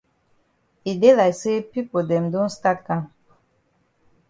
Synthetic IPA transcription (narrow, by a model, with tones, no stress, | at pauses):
i˨de˦la˨jse˦pi˦po˨dɛ˨mdɔ̃˦nsta˦tkã˦